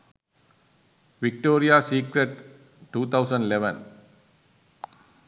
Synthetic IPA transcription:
ʋɪk̚ʈoːɾijasiːkɾeʈ | ʈuːt̪ʰaʊsə̃ɳɖileʋə̰̃n

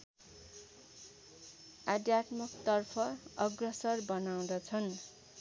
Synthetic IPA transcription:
ad̪jat̪mʌkt̪ʌrpʰʌʌɡrʌsʌrbʌnaw̃d̪ʌt͡sʰʌn

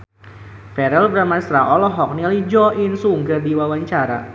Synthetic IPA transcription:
fɛɾɛlbɾamasɾaʔɔlɔɦɔk̚nilid͡ʒɔʔinsuŋɡərdiwawaɲt͡ʃaɾa̰

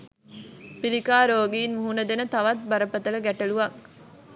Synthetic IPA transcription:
pilikaːɾoːɡiːnmuɦunɐd̪enət̪ɐʋɐt̪̚bɐɾəpɐt̪ɐlɐɡæʈɐɭuʋɐk

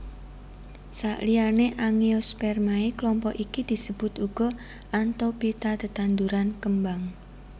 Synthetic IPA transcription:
saʔlianeʔaŋiospɛrmaeklɔmpɔʔikid̪̥i̤səb̥ʊt̪uɡ̥ɔ̤ | ʔant̪awpit̪at̪ət̪and̪uɾankəmbaŋ

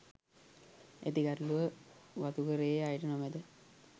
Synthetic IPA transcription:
ḛt̪iɡaɾluʋəʋat̪ukəɾeajʈənomed̪ə

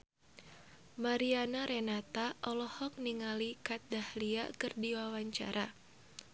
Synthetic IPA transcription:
maɾianaɾɛnat̪aʔɔlɔhɔk̚niŋalikat̪̚dahlia̰kɨrdiwawaɲt͡ʃa̰ɾʔa

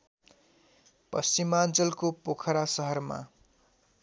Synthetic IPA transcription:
pʌst͡simant͡sʌlkopokʰʌɾasʌɦʌrma̰

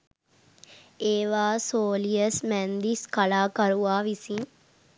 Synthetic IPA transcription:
eːʋaːsoːlijəsmænd̪iskalaːkaɾuʋaːʋisin

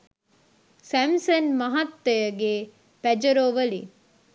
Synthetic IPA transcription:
sæmsɐnmɐɦɐt̪ːɐjəɡe | pæd͡ʒɐɾoːʋəlḭ

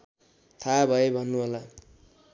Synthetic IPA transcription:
t̪ʰabʱʌebʱʌnːuɦola

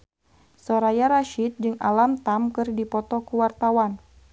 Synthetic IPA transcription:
sɔɾajaɾaʃit̪̚d͡ʒɨŋalamt̪amkɨrdipɔt̪ɔkuwart̪awan

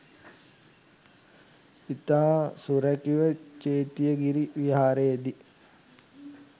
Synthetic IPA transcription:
it̪aːsuɾækiʋət͡ʃeːt̪ijəɡiɾiʋiɦaːɾejːd̪i

